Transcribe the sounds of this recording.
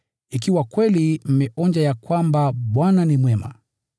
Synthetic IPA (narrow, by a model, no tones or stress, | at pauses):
ikiwakwɛlim̩mɛʔɔɲd͡ʒajakwambaɓwananimwɛma̰